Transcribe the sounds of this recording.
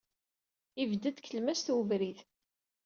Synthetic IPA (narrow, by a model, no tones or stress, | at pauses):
ivd̪əd̪kːəlmæsθuvɾiθ